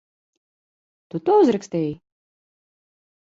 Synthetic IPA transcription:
t̪ut̪uɔuzɾɛksʲt̪ɛːji

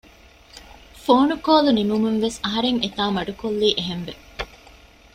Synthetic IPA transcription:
foːnukoːlunimumuŋʋesɐɦɐɾeŋet̪aːmɐɖukolːiːʔeɦenʋe

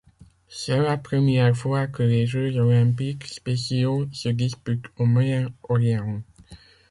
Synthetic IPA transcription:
sɛlapχəmjɛʁfwakəleʒøzɔlɛ̃pikspesjosəd̪ispyt̪omajɛ̃ɔljɛʁɔ̃

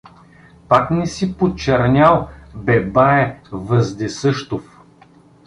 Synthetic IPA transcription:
paknɛsipot͡ʃɛɾnʲalˠbɛbaɛvəzd̪ɛsɤʃt̪of

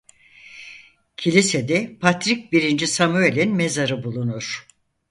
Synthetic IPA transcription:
cʰilʲised̪ɛpʰat̪ɾic̚biɾind͡ʒisamyelʲinme̞zaɾɯbulˠunuɾ̥

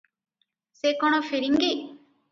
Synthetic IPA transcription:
sekoɽ̃ofiɾiŋɡi

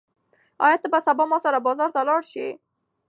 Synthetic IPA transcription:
ɔ̰jat̪əbasabɔmɔsaɾabɔzɔɾt̪alɔɾʃe

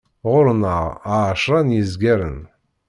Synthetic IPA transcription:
ʁʷʊɾnaʁ̰aːʃranjizɡʲɛɾɨ̰n

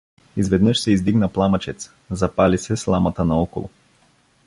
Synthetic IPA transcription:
izvɛd̪nɤʃsɛizd̪iɡnəplˠamət͡ʃɛt̪s | zɐpalisɛslˠamɐt̪ənɐɔko̰lˠʊ̰

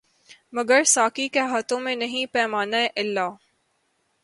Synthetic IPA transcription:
mɐɡəɾsaːkikeɦat̪õmẽnɐɦĩpɛːmaːnaeʔɪlːaː

